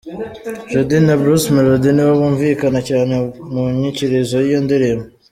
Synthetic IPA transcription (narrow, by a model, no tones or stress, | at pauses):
ʒod̪inabɾusmeɾod̪iniwaβuːɱviːkanacaːne̞muɲiciɾezojijondiɾema